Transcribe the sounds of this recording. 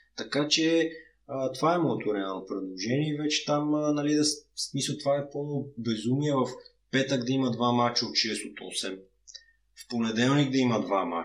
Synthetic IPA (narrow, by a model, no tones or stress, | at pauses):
t̪ɐkat͡ʃɛ | ət̪ovaɛmɔɛt̪oɾɛalˠnopɾɛd̪lˠoʒɛniɛvɛt͡ʃɛ̥t̪amnɐlid̪ɐsmisˠt̪ovaɛpolˠmobɛzumiɛvɐf | pɛt̪əɡd̪ɐimɐd̪vamat͡ʃɐot̪ʃɛst̪ot̪ɔ̰sɛm | fponɛd̪ɛlˠniɡ̚d̪ɐimɐd̪vama̰